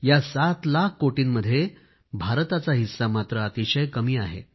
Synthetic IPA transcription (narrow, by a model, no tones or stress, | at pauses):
jasat̪lakʰkoʈiːnməd̪ʱːje | bʱaɾt̪at͡saɦisːamat̪ɾəːt̪iɕəjkəmiːaɦḛ